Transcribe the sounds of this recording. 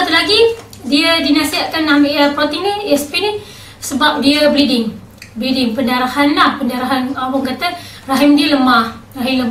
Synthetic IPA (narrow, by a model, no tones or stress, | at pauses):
at̪ulaɡidiədinasiat̪̚kanːamiʔapɾot̪iniɛspini | səbap̚diəbɾidɪŋ | bɾidɪŋpəndaɾahanlahpəndaɾaɦanawaŋkat̪ə | raɦimdiələmahraɦiləma